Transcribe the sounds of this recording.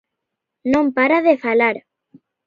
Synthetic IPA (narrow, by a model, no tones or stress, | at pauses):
nõmpaɾaðefalaɾ